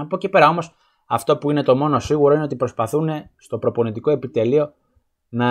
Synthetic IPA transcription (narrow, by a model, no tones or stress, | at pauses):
ɐpocepe̞ɾɐo̞mo̞s | ɐft̪o̞puine̞t̪o̞mo̞nosiɣuɾo̞ine̞o̞t̪ipɾo̞spɐθune̞st̪o̞pɾo̞po̞nit̪iko̞e̞pit̪e̞lio̞ | nɐ